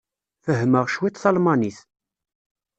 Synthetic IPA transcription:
fəɦːməʁʃwit̪θɑlmɑniθ

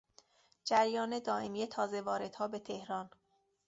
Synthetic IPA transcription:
d͡ʒæɾjɒːne̞d̪ɒːe̞mijet̪ʰɒːze̞vɒːɾe̞d̪̥hɒːbe̞t̪ʰe̞hɾɒn

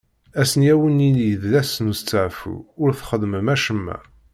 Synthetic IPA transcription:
æsənjæwəninjəðlæsənust͡sːəʕfṵʊɾθχəðˤməmæʃəmːæ̰

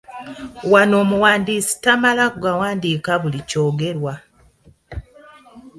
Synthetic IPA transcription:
wano̞ːmuwaːndiːsi̥tamalakɡawaːndiːkaβulico̞ːɡe̞ɾwa

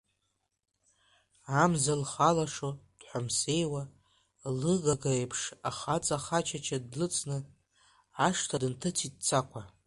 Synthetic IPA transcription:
amzalχalaʂod̥ħʷamse̞jwa | lɨɡaɡaepʰʂaχat͡sʼaχat͡ʃʰat͡ʃʰadlɨt͡sʼnɨ | aʂtʰadɨntʰɨtʰit̚t͡sʰakʷʰa

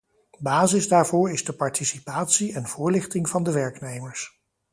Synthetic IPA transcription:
baːzɪzdaːɹvʊːɹɪzdəpɑɹtʰisipaːtsiɛnv̥ʊːɹlɪχtɪŋvɑndəʋɛɹknejməɹs

